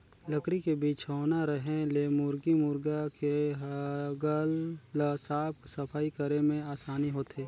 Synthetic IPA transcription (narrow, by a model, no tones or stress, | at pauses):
ləkɾikebiːt͡ʃɦoːnaɾəɦẽleːmʊɾɡimʊɾɡakeɦɡəlləsaːp̚səpʰaːikəɾemẽaːsaːniɦoːt̪ɦeː